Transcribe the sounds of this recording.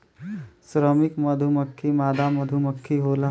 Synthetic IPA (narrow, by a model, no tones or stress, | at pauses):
sɾəmikməd̪ʱuməkʰːimaːd̪aməd̪ʱuməkʰːiɦola